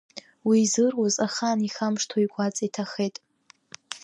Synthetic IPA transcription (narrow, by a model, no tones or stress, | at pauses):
wiːzɨrwozaχaniχamʂtʰojɡʷat͡sʼitʰaχejtʼ